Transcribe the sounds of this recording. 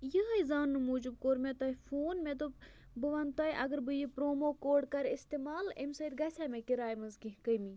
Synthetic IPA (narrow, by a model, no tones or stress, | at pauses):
jəɦɐjzaːnːɨmuːd͡ʒub̚koːɾmẽt̪ɐifoːnmẽt̪̬o | bɨʋant̪ɐiʔɐɡəɾbɨjipɾoːmoːkoːɖkɐɾist̪emaːlemsɐid̪̚ɡɐsʲʰaːmẽkiɾaːjmɐzɡĩɦkəjmi